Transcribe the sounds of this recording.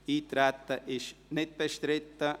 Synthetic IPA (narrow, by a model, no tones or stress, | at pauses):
it̪ɾat̪ɐʔeʃnet̪ɐeʃt̪ɾet̪ːa